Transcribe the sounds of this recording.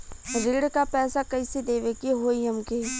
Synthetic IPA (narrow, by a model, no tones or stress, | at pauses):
ɾiːɽkapɛːsakɐised̪eːʋekiɦoːiɐmke